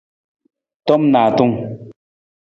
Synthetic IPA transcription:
tɔ˦mnaː˨tu˦ŋ

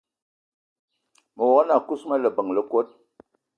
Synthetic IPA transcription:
mə˨wɔ˨a˦na˨ku˦sma˦lə˨bə˨ŋlə˦˨ko˦t̚

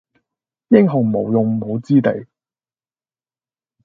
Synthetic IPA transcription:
jɪ˥ŋɦʊ˨˩ŋ˨mo˨˧wjʊ˨ŋm̩˨ho˨˧wt͡siː˥t̪ḛ˨j

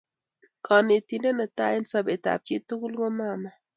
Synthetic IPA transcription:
kʰɔ˨ne˨ti˨nde˦nə˨ta˦ɪ˦nsa˦be˨ta̰˨p̚t͡ʃi˦tu˦ku˦lko˦ma˦˨ma˨

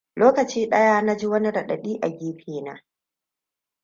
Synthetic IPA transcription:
loː˦kɐ˨t͡ʃiː˦ɗɐ˦jaː˦na˦d͡ʒi˦wɐ˦ni˦ɽɐ˨ɗɐ˨ɗiː˦ʔa˨ɡʲiː˦ɸʰeː˨naː˦

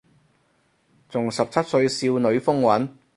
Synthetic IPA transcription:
t͡sʊ˨˩ŋsɐ˨p̚t͡sʰɐ˥t̚sɵ˧ɥsiː˧wnɵ˨˧˥ɥfʊ˥ŋwɐ˨˥n

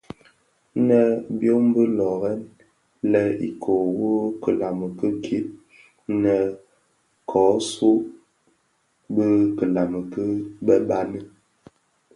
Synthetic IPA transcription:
nə˦bjo˦m˦bə˦lɔ˨ɣɛ˦n | lɛ˦ḭ˨kʰo˨wo˦kə˨la˨mə˨kə˦ɡʰi˨˦ʔ̚ | nə˨ | kʰɔ˨˦su˦ | bə˦kə˨la˨mə˨kə˦bə˦ba˦nə˦

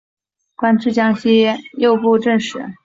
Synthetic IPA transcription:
kwa˥nʈ͡ʂʰɻ̩˥˩t͡ɕjɑ˥ŋɕi˥jɛ˥˧˩jo˥˧ʊpu˥˧ʈ͡ʂə˥˧˩ŋʂɻ̩˧˩˥

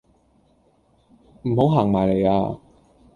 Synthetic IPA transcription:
m̩˨˩ɦo˨˥wɦaː˨˩ŋmaː˨˩jle˨˩ja̰ː˧

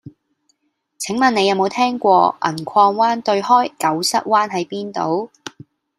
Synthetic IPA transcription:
t͡sʰɪ˨˥ŋmɐ˨ne˨˧jɐ˨˧wmo˨˧wt̪ʰɛː˥ŋkʷɔː˧ʔɐ̰˨˩nkʷʰɔː˧ŋwaː˥nt̪ɵ˧ɥhɔː˥jkɐ˨˥wsɐ˥t̚waː˥nɦɐ˨˥jpiː˥nt̪o̰˨˥w

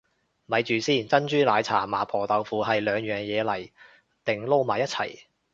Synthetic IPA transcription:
mɐ˨˧jt͡ʃyː˨siː˥˩nt͡sɐ˥nt͡ʃyː˥laː˨˧jt͡sʰa̰ː˨˩maː˨pʰɔː˨˩t̪ɐ˨˧wfuː˨˧ɦɐ˨jlœː˨˧ŋjœː˨˩ŋjɛː˨˧lɐ˨˩j | t̪ɪ˨ŋlo˥wmaː˨˩jɐ˥t̚t͡sʰɐ̰˨˩j

